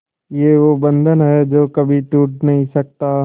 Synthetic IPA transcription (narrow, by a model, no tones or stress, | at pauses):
jeʋobɐ̃nd̪ʱənɦɛd͡ʒoːkɐbʱiʈuːʈnɐɦĩsɐk̚t̪a